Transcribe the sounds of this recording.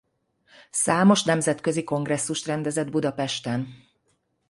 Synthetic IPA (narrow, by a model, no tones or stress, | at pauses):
saːmo̞ʃnɛmzɛt̪køziko̞ŋɡrɛsːuʃt̪rɛnd̪ɛzɛd̪bud̪ɒpɛʃt̪ɛn